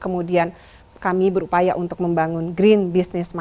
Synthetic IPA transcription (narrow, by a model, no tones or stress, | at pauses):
kəmudian | kamibəɾupajaʔunt̪ʊk̚məmbaŋʊnɡɾinbisnɪsma